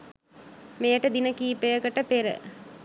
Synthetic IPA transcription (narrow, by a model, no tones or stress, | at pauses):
mejəʈəd̪inəkiːpejəkəʈəpeɾə̰